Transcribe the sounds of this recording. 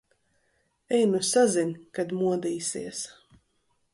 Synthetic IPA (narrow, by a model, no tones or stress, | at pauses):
ɛjnusazinʲkad̪muɔd̪iːsḭɛs